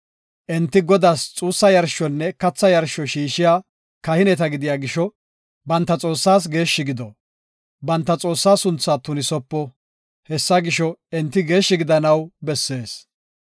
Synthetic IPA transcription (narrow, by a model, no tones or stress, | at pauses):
ʔɛnt̪ːɪɡɔd̪aːst͡sʼuːsːɐjɐɾʃɔnːɛkɐt͡sːɐjɐɾʃɔʃiːʃɪjaː | kɐhɪnɛt̪ɐɡɪd̪ɪjaːɡɪʃɔ | bɐnt̪ːɐt͡sʼo̞ːsːaːs̬ɡe̞ːʃːɪɡɪd̪ɔ | bɐnt̪ːɐt͡sʼo̞ːsːaːsʊnt͡sːaːt̪ʊnɪsɔpːɔ | hɛsːɐɡɪʃɔɛnt̪ːɪɡe̞ːʃːɪɡɪd̪ɐnɐwbɛsːe̞ːs